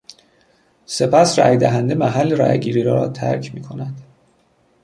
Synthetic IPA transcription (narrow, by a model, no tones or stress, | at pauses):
se̞pʰæsræ̰jd̪æɦænd̪emæɦælːeɾæ̰jɡiːɾiːɾɒːt̪ʰæ̰ɾcʰmiːkʰo̞næd̪̥